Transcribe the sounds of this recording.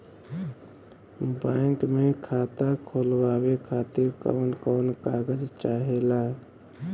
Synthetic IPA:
baŋkmekʰat̪akʰolbawekʰat̪iɾkə̰ːnkɔːnkaɡəd͡ʒt͡ʃaɦela

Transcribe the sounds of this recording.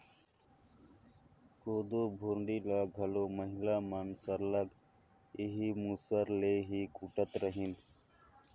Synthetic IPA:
koːd̪oːbʱuɾɳɖiːlaːɡʱəloːməɦɪlaːmənsəɾləɡ | iɦiːmuːsəɾleːɦiːkuːʈət̪ɾəɦin

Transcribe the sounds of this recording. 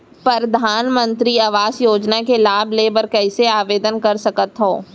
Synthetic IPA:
pɾɐɾd̪ʱaːnmə̃nt̪ɾiɐʋaːzjoːd͡ʒnakelaːbleːbəɾkɛːseaːʋeːd̪ənkɐɾsɐkət̪ɦõː

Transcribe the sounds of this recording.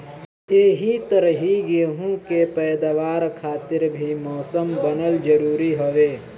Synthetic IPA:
eːɦit̪əɾɦiɡeːɦũkepɛːd̪aʋaːɾkʰaːt̪ɪɾbʱimɔːsəmbənəld͡ʒəɾuːɾiɦoʋeː

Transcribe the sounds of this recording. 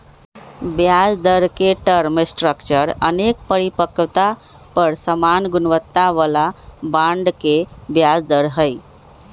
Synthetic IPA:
bjad͡zd̪əɾkeʈəɾməsʈɾəkt͡ʃəɾə̰nek̚pəɾipəkət̪a | pəɾsəmanɡunʋət̪ːaʋəlabaɳɖkebjad͡zd̪əɾɦəj

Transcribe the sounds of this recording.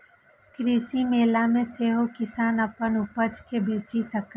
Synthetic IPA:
kɾiːsimeːlamẽseːɦokɪsaːnɐpənʊpət͡ʃkebeːt͡ʃisɐk

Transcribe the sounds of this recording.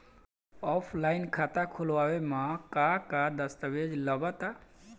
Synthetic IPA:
ɔpʰlajnkʰat̪akʰulwawemãkakad̪əst̪əbed͡ʒləbat̪a

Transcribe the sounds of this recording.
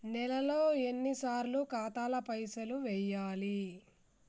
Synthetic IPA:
nɛlɐlo̞ːe̞nːisaːɾlukaːt̪aːlɐpɐjsɐluʋɛjaːli

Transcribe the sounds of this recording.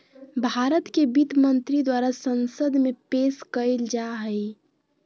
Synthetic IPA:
bʱaɾət̪kebit̪mənt̪ɾid̪waɾasənsəd̪mepeskəɪld͡ʒaɦəj

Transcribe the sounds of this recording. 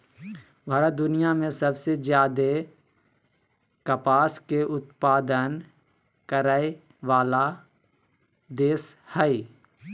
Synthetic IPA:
ʋaɾad̪ʊnijamẽsəbsezjaːd̪e | kəpaːskeʔʊt̪paːd̪ən | kəɾae | ʋaːla | d̪eːshɛi

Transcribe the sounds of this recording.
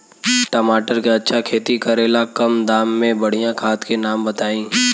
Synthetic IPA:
ʈəmaːʈəɾkeɐtːʃʰakʰeːt̪ikəɾeːlakɐmd̪aːmːẽbɐɽ̤ijãkʰaːt̪kenaːmbət̪aːĩː

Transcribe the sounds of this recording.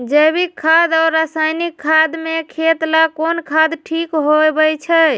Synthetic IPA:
d͡ʒəbikʰːad̪aɾːəsajnikʰːad̪mekʰet̪lakonkʰad̪ʈʰikɦoebət͡ʃʰə

